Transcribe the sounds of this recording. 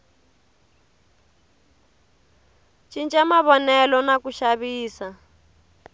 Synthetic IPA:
t͡ʃint͡ʃʼamaβɔnɛlɔnakuʃaβiːsa

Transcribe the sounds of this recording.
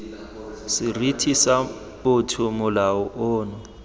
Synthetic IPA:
sɪritʰisa | pʊtʰʊmʊlaʊʔoːnɔ

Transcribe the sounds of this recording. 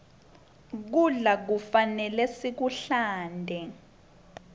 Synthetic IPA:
k̬uɮak̬ufanɛlɛsik̬uɬaːndʱɛ

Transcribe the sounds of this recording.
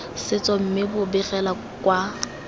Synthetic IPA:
sɪt͡sʼɔm̩mɪbʊbɪrɛla | kʼwa

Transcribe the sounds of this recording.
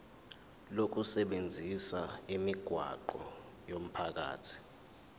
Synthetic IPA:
lok̬usɛɓend͡zʱisaimiɡ̥ʱwa̰ǃɔ | jom̩pʰak̬a̰ːtʰi̥

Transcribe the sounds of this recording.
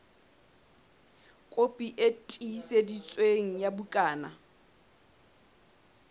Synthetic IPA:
kʼopʼiʔetʼisedit͡sʼweŋ̩jabukʼaːna

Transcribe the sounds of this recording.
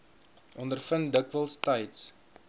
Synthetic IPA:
ʔɔndərfəndəkvəlˠstɛjts

